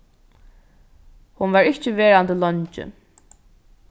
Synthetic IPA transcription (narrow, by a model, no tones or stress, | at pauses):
hʊnvaɹɪht͡ʃəveːɹand̪əlɔɲt͡ʃɪ̰